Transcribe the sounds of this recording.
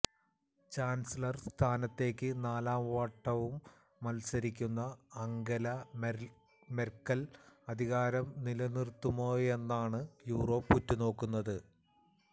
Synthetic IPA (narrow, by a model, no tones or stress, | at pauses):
t͡ɕaːnsilɐrst̪ʰaːnɐt̪ːe̞ːkʲːɨnaːlaːmʋaːʈːɐʋumː | ɐlsɐɾikʲːunːɐːŋɡɐlɐ | merkːɐlɐd̪ʱiɣaːɾɐmnilɐnirt̪ːumo̞ːje̞nːaːɳɨjuːro̞ːpːutːuno̞ːkːunːɐðɨ